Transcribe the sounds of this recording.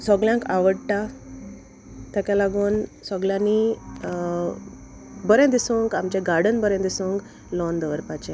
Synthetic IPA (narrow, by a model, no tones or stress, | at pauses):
sɔɡljãŋkaʋəɽʈa | t̪akjalaɡuːnsɔɡljãni | bəɾẽd̪isũŋkamt͡ɕɛ̃ɡaɾɽənbəɾɛ̃d̪isũŋk | lɔnd̪əʋəɾpat͡ɕɛ̃